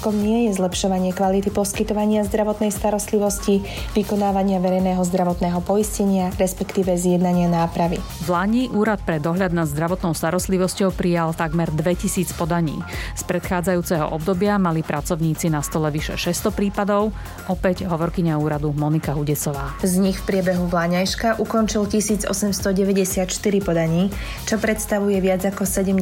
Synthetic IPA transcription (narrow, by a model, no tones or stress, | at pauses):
kɔmɲɪɛjɛzlɛpʃɔʋaɲɪɛkʋalit̪ipɔskit̪ɔʋaɲɪazd̪ɾaʋɔt̪nɛjst̪aɾɔst̪liʋɔsci | ʋikɔnaːʋaɲɪaʋɛɾɛjnɛːɦɔzd̪ɾaʋɔt̪nɛːɦɔpɔjiscɛɲɪaɾɛspɛkt̪iːʋɛzjɛd̪naɲɪanaːpɾaʋi | vlaɲiːʔuːɾat̪pɾɛd̪ɔɦʎad̪nazd̪ɾaʋɔt̪nɔʊst̪aɾɔst̪liʋɔscɔʊpɾijalt̪aɡmɛɾd̪ʋɛcisiːt͡spɔd̪aɲḭːspɾɛt̪xaːd͡zajuːt͡sɛɦɔ̰ʔɔb̚d̪ɔbɪamalipɾʔat͡sɔʊɲiːt͡sinast̪ɔlɛʋiʃɛ̰ʃɛst̪ɔpɾiːpad̪ɔʊ | ʔɔpɛɟɦɔʋɔɾkiɲauːɾad̪umɔnikaɦuɟɛsɔʋaːzɲixfpɾɪɛbɛɦuʋlaɲajʃkaʔukɔnt͡ʃilcisiːd͡zɔ̰sɛmst̪ɔɟɛʋɛɟɛsɪat̪ʃt̪iɾipɔd̪aɲiː | t͡ʃɔpɾɛt̪st̪aʋujɛʋɪad͡zakɔsɛɟɛm